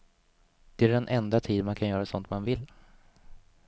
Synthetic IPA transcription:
d̪̥ɛæɖɛnʔɛnd̪at̪ʰiːd̪mankʰanjœːɾasɔnt̪manvɪlː

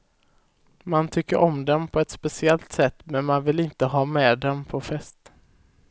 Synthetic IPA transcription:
mant̪ʰʏkːəɾʔɔmd̪ɛnpʰɔɛt̪spɛsɪɛlt̪sɛt̪ːmɛnmanvɪlɪnt̪əɦɑːmeːd̪ɛmpʰɔfɛst̪

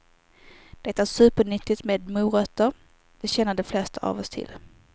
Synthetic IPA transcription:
d̪̥ɛt̪ːaæːʂʉ̟ːpəɳʏt̪ːɪt̪meːd̪muːɾœt̪ːəɾ | d̪ɛɕɛnːəɖɛflɛst̪əʔa̰vɔst̪ʰɪ̰l

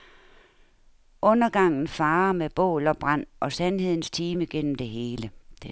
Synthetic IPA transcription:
ɔ̽nɐɡ̥ɑ̈ŋ̰n̩fɑ̈ːɐmeb̥ɔ̰̽ːlɒb̥ʁɑn̰ʔɒ̽sænɦe̝ð̰ˠn̩st͡sʰiːməɡ̥en̰m̩d̥e̝ɦe̝ːləd̥e

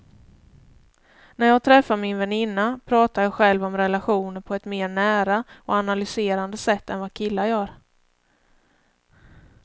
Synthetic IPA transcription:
næɾjɑːɡ̚t̪ʰɾɛfːaɾmɪnvɛnɪnːapʰɾɑːt̪aɾjɑːɧɛlvɔmɾɛlaɧuːnəɾpʰɔɛt̪meːɳæːɾaɔanalʏseːɾand̪əsɛt̪ːɛnvakʰɪlːajœːɾ

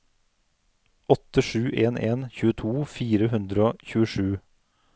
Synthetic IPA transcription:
ʔɔt̪əʃʉːʔeːnʔeːnçʉːət̪ʰuːfiːɾəhʉnd̪ɾəoːçʉːəʃʉː

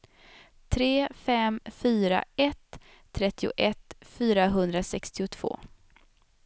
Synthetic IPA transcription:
t̪ʰɾeːfɛmfyːɾa̰ɛt̪ʰː | ɾɛt̪ːɪʊ̰ʔɛt̪fyːɾaɦɵnd̪ɾasɛkst̪ɪʊt̪ʰv̥o̰ː

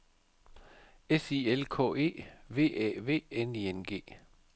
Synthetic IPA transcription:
esielkʰɔ̰̽ːe̝̰ːʋe̝̰ːʔɛ̰ːʋe̝̰ːenienɡ̥e̝̰ː

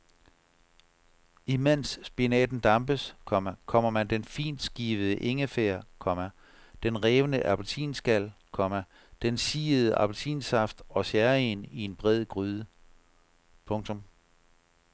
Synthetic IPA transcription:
imen̰sːb̥inɛ̰ːd̥n̩d̥ɑ̈mb̥əskʰɒmkʰɒ̽m̰ɐmænd̥enfḭːnd̥sɡ̥iːʋəð̩ˠəʔe̝ŋəfeɐkʰɒ̽mæ | d̥enʁɛːʋənəʔæpʰlt͡sʰḭːnsɡ̥æl̰kʰɒ̽mæ | d̥ensiːəð̞̩ˠəʔɑ̈b̥ʰlt͡sʰḭːnsɑ̈fd̥ɒ̽sæɐe̝ːnie̝nb̥ʁɛð̰ˠɡ̥ʁyðˠə | pʰɔ̽ŋt͡sʰɔ̽m

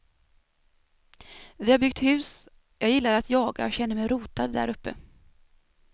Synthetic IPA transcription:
vɪhaɾbʏɡ̚t̪hʉ̟ːs | jɑːɡjɪlːaɾat̪jɑːɡa̰ɔɕɛnːəɾmɛjɾuːt̪ad̪ːæ̰ɾɵpːə̰

